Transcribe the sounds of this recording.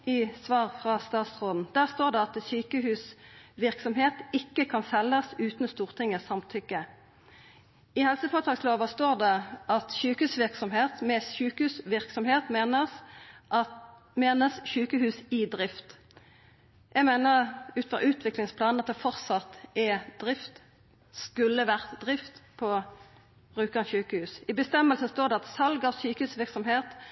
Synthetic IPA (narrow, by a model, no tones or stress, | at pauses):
ɪsʋɑːʁfʁɑst̪ɑːt̪sʁoːd̪n̩d̪æːʁst̪oːʁd̪ɛɑt̪syːkəhʉːsʋɪʁksɔmɦeːt̪ɪkːəkʰɑnsɛlːəsʉːt̪n̩st̪uːʁt̪ʰɪŋːəsɑmt̪ʰʏkːə | ɪhɛlsəfoːʁt̪ʰɑːksloːʋɑst̪oːʁd̪ɛɑt̪ʃyːkəhʉːsʋɪʁksɔmheːt̪mɛsʉːkəhʉːsʋɪʁksɔmheːt̪meːnəsʔɑ | meːnəsʃʉːkəhʉːsɪd̪ʁɪft̪ | jʔæɡmeɪnəʁʉːt̪fɔ̰ʉːt̪ʰʋɪklɪŋspʰlɑːnnɑt̪̚d̪ɛfɔʁsɑt̪ːʔɛd̪̥ʁɪft̪ | skʉlːəʋæʁt̪d̪ʁɪft̪pʰɔ | bʁʉːkɑnçʉːkəhʉːsɪbəst̪ɛmːəlsənst̪oːʁd̪ɛɑt̪sɑlɡɑʋsyːkəʉːsʋɪʁksɔmheːt̪